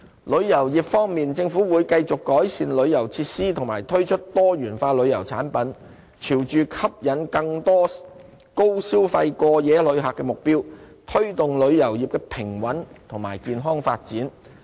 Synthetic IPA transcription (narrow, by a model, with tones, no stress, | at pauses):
lɵ˨˧ɥjɐ˨˩wjiː˨pfɔː˥ŋmiː˨nt͡sɪ˧ŋfuː˨˥wuː˨˧jkɐ˧jt͡sʊ˨kːɔː˨˥jsiː˧nlɵ˨˧ɥjɐ˨˩wt͡sʰiː˧tsiː˥t̪ʰʊ˨˩ŋmaː˨˩jt̪ʰɵ˥ɥt͡ʃʰɵ˥t̚t̪ɔː˥ɥyː˨˩nfaː˧lɵ˨˧ɥjɐ˨˩wt͡sʰaː˨˥npɐ˨˥n | t͡sʰiː˨˩wt͡ʃyː˨kʰɐ˥p̚jɐ˨˥nkɐ˧ŋt̪ɔː˥ | ko˥wsiː˥wfɐ˧jkɔː˧jɛː˨˧lɵ˨˧ɥɦaː˨kːɛː˧mʊ˨k̚piː˥wt̪ʰɵ˥ɥt̪ʊ˨ŋlɵ˨˧ɥjɐ˨˩wjiː˨p̚kɛː˧pʰɪ˨˩ŋwɐ˨˥nt̪ʰʊ˨˩ŋmaː˨˩jkiː˧nɦɔː˥ŋfa̰ː˧t̚t͡siː˨˥n